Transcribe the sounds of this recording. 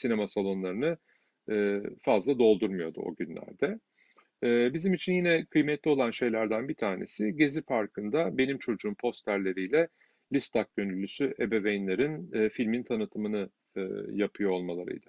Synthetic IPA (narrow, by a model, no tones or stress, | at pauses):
sine̞masalˠo̞nlˠaɾɯnɯː | fazlˠad̪o̞lˠd̪uɾmujo̞d̪ṵo̞̰ɟynlʲæ̰ɾd̪ɛ | ɛːbizimit͡ʃʰinjinɛkʰɯjmɛt̪lʲio̞lˠanʃe̞jlʲæɾd̪ænbit̪ʰaːne̞̰siɟe̞zipaɾkʰɯnd̪abe̞nimt͡ʃʰo̞d͡ʒuːmpʰo̞st̪ʰæɾlʲe̞ɾijlʲɛ | lʲist̪ʰak̚ɟønylʲːysyʔe̞be̞vejnlʲeɾinːfilʲmint̪ʰanɯt̪ʰɯmɯnɯ̰ | japʰɯjoolˠmalˠaɾɯ̰jd̪̥ɯ